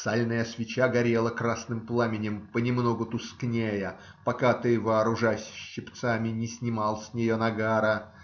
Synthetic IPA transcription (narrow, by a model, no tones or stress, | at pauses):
salʲnəjəsvʲɪt͡ɕaɡɐɾʲelˠəkɾasnɨmplˠamʲɪnʲɪmpənʲɪmnoɡʊt̪ʊsknʲejə | pɐkat̪ɨvɐːɾʊʐasʲɕːɪpt̪samʲɪnʲɪsʲnʲɪmɑlˠsʲnʲɪjonɐɡaɾə